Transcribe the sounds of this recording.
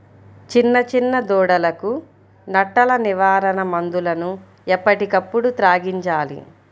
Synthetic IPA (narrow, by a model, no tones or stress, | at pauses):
t͡ʃinːɐt͡ʃinːɐd̪ɔːɽɐlɐku | nɐʈːɐlɐniʋaːɾɐnɐmɐnd̪ulɐnu | ɛpːɐʈikɐpːuɽut̪ɾaːɡiɲt͡ʃaːlḭ